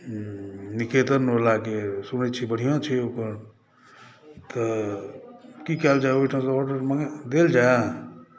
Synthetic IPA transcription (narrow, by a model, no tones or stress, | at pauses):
niket̪əɾnolakesunət͡ʃʰibəɽ̤ijãt͡ʃʰiokəɾ | t̪ə | kikɛld͡ʒaoiʈʰas̬ɔʈəɾməŋd̪eld͡ʒaj